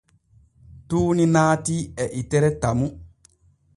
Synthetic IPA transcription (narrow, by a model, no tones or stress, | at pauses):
tuːninaːtiɛʔitɛɾɛtamu